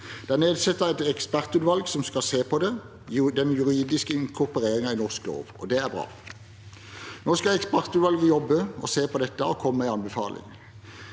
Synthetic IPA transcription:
d̪̥ɛæːʁneːd̪sɛt̪ːəɛɪt̪ɛkspæʁt̪ʉːd̪ʋɑlɡsɔmskɑseːpʰɔd̪ɛ | d̪ɛnjʉʁiːd̪ɪskəɪŋkʰʊʁpəʁeːʁɪŋɑɪnɔʁsklo̰ːʋɔ̰d̪ɛæbʁɑ̰ː | noːskɑɛkspæʁt̪ʉːʋɑlɡəjɔbːəɔ̰seːpʰɔd̪ɛt̪ːəɔkʰɔmːəæɪɑnbəfɑ̰ːlʔɪ̰ŋ

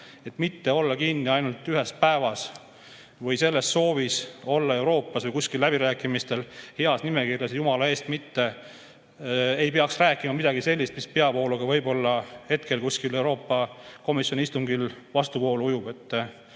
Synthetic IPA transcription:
e̞t̪ːˑmit̪ːe̞o̞lːɑkinːiɑjnult̪ˑyɦe̞spæe̞vɑs | vɤjse̞lːesːo̞ːviso̞lːɑe̞wɾo̞ːpːˑɑsvɯjkusʲkilːæbiɾæːkˑimist̪e̞lheɑsnime̞kirjɑsjumɑlɑe̞ːst̪mit̪ːe̞ | e̞jpe̞ɑksræːkːˑimɑmid̪ɑɡise̞lʲːist̪mispe̞ɑpo̞ːluɡ̥ɑvɤjbo̞lːɑhe̞t̪ke̞lkuskile̞wɾo̞ːpːɑko̞misjo̞nist̪uŋɡilvɑst̪upo̞ːluujub̥e̞t̪ːˑ

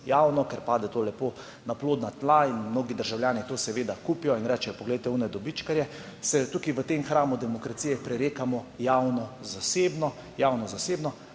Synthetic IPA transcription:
jaːwnɔkɛɾpaːd̪ɛt̪oːlɛpo | naploːd̪nat̪lainmnoːɡid̪əɾʒawljaːnit̪oːsɛʋeːd̪akupijɔinɾɛt͡ʃɛjɔpɔɡlɛjt̪ɛunɛd̪ɔbit͡ʃkaɾjɛ | sɛt̪ukiʋət̪emxɾaːmud̪ɛmɔkɾat̪sijɛpɾɛɾeːkamɔjawnɔzaseːbnɔ | jawnɔzaseːbnɔ

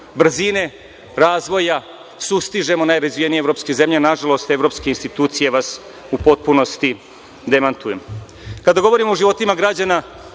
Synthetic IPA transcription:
br̩zine̞ | ɾaːzʋo̞ja | sust̪iʒe̞mo̞najɾazʋijenijevɾo̞pskeze̞mʎenaʒalo̞st̪e̞vɾo̞pskeinst̪it̪uːt̪sije̞ʋas | upo̞t̪̚puno̞st̪i | d̪e̞mant̪uje̞m | kad̪aɡo̞ʋoɾimooʒiʋo̞t̪imaɡɾad͡ʑana

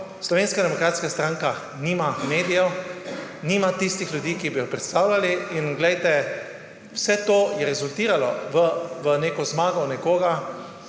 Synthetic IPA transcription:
slɔʋeːnskad̪ɛmɔkɾaːt̪skast̪ɾãŋka | niːmameːd̪ijɛ | niːmat̪ist̪ixlʲjud̪iːkibijɔpɾɛt̪st̪aːwlaliinɡlɛjt̪ɛ | wsɛt̪oːjɛɾɛzult̪iːɾalɔ̰ʋəʋəneːkɔzmaːɡɔnɛkoːɡa

